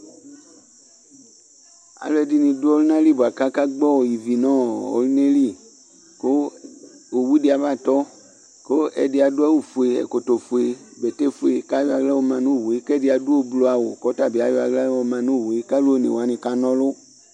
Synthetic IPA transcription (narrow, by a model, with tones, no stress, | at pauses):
a̰˨lo˦ɛ˨di˨nĩ˧du˦ɔ˦lnã˦li˦˨bo˨a˨ka˦ka˦ɡ͡bɔ˦˨ji˨vi˨nɔ̃˦˨o̰˨˦lne˦li˦ | ko˦ | o˨wu˦di˨a˨va˦˨t̪ɔ˦ | ko˦ɛ̰˨di˨a˨dʊ˦a˦wu˨fu˨e˨ɛ̰˨ko˨t̪o˨fu˨e˨bɛ˨te˦fu˨e˨ka˦jo˦a˨ɡla˦wo˧˦mã˨nũ˦˨wo˨e˦kɛ˦di˨a˨du˦o˦blo˨˦a˨wo˨kɔ˨˦ta˦˨bi˨a˨jo˦a˨ɡla˦wo˨mã˨nũ˦˨wo˨e˦ka˦lo˦o˦nḛ˨wa˨˦nĩ˧ka˦nɔ̃˦lʊ˦